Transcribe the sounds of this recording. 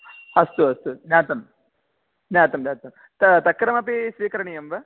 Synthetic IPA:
ɐst̪uɐst̪unjaːt̪ɐm | njaːt̪ɐmnʲaːt̪ɐm | t̪ɐt̪ɐkːɐɾɐmɐpisʋiːkɐɾɐɳijɐmʋɐ

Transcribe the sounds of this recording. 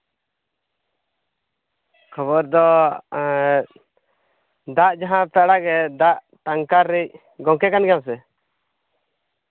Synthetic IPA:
kʰɔβɔɾd̪ɔ | d̪aʔd͡ʒaɦãpɛɽaɡɛd̪aʔ | t̪aŋkaɾːɛc̚ | ɡɔŋkɛkanɡɛjams̬ɛ

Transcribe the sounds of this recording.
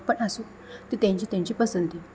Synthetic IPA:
pənasu | t̪it̪jãɲt͡ɕit̪jãɲt͡ɕipəsənt̪i

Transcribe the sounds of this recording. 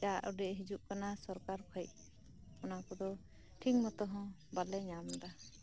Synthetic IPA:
d͡ʒaʔɔɖɛʔɦid͡ʒuʔkanasɔɾkaɾkʰɔj̚ | ɔnakɔd̪ɔ | ʈʰiŋmɔt̪ɔɦɔ̃ | balɛɲamd̪a

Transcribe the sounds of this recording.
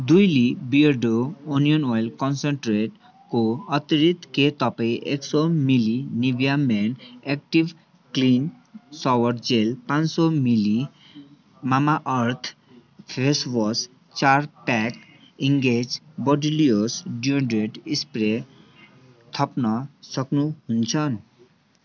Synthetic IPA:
d̪ujlibiɾɖouniɔnɔjlkɔnseɳʈɾeʈ | koɔt̪iɾit̪ʰket̪ɔpejʔḛksɔmilinibijamɛnɛk̚ʈib | klin | sɔwɔɾd͡ʑelpãnsɔmili | mamaʔɔɾt̪ʰ | pʰesbɔs | t͡ʃaɾpɛk | iŋɡed͡ʑbɔɖiliosɖiuɳɖɾeʈispɾe | t̪ʰɔpnɔsɔknuɦunt͡ʃʰɔn

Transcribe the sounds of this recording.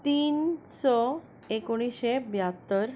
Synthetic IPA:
t̪iːnsɔ | ekoɽ̃iɕebjat̪əɾ

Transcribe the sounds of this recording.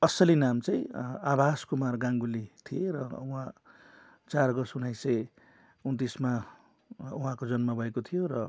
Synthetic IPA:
ʌsʌlinamt͡sãĩabʱaskumarɡãŋɡulit̪ʰijeɾʌ̰ũɦã | t͡sarɡʌsunajsʌj | unt̪isma | uɦãkod͡zʌnmabʱʌekot̪ʰijoɾʌ

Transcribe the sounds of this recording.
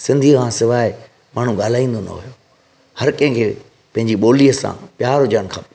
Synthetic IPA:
sɪ̃nd̪ʱiəkʰãːsɪʋaːɪ | maːɳ̤ũɡaːl̤aːĩːn̆d̪onɐ̰ɦʊ̰jo | hɐɾkɐ̃ɦɪ̃kʰeː | pɐ̃ɦɪ̃ɲd͡ʑiɓoːliəsã̰ːpjaːɾɦʊd͡ʑəɽ̃kʰã̰ː

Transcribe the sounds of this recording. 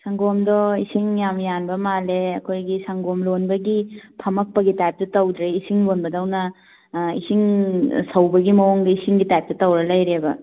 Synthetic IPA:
saŋɡomdɔisiŋjamjanbɐmaleɐkʰojɡisaŋɡomlonbɐɡipʰɐmɐk̚pɐɡitajp̚tɐtɐwd̪ɾeisiŋlonbɐdɐwnɐ | ḭsiŋsɐwbɐɡimɐwoŋɡɐisiŋɡitajp̚tɐtɐwɾɐlɐjɾebɐ̰

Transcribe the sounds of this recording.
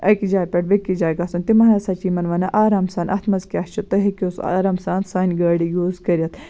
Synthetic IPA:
ɐkid͡ʒaːjpʲeʈʋɐkʲːid͡ʒaːjkɐsɐnt̪imɐɦnɐsɐt͡ʃiːmɐnʋɐnɐʔaːɾaːmsaːnʔɐt̪ʰmɐzkʲat͡ʃʰut̪ɐɦekʲosa̰ːɾaːmsaːnsaːnʲɡɐːɽijuːzkɐɾʲɐt̪

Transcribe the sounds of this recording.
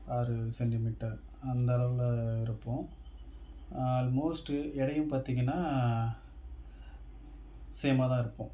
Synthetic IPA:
aːɾɯsɛɳʈɪmiːʈːɐɾɐnd̪ɐlɐʋɪlɪɾɯpːõː | aːlmoːsʈɛɽɐjɯ̃mpaːɾt̪iːŋɡɐnːaː | sɛjɐmaːt̪ãːɪɾɯpːõː

